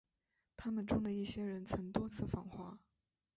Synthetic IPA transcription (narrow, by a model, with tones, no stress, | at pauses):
t̪ʰa˥mə˨nʈ͡ʂʊ˥ŋd̪ə˨i˥˩ɕjɛ˥ɻə˧˥nt͡sʰə˧˥ŋt̪wɔ˥t͡sʰɹ̩˥˩fɑ˨˩ŋxwa˧˥